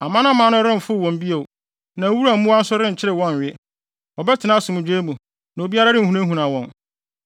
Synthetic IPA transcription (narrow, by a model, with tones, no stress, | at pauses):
a˨mã˦nã˦mã˨˦nʊ̃˦ɾɪ̃˦m̩˨fʊ˦˨wɔ̃˨m˨bi˦e˨ | nã˨˦wu˦ɾa˨mũ˦a˦n̩˦sʊ˦ɾɪ̃˦ɲ̩˨t͡ɕʰɪ˦ɾɪ˨wɔ̃˦n˨ɥɪɛ˦ | ɔ˨bɛ˦tʰɪ˨nã˦sʊ˨mʊ̃˨d͡ʑᶣe˦mũ˨ | nã˨o˨bi˦a˦ɾa˦ɾɪ̃˦˨hũ˨nã˦ɦũ˨nã˨wɔ̃˨n